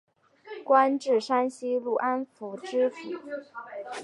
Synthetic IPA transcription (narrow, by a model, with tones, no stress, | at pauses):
kwa˥nʈ͡ʂɻ̩˥˩ʂa˥nɕi˥lu˥˩ʔa˥nfu˨˩˦ʈ͡ʂɻ̩˥fu˨˩˦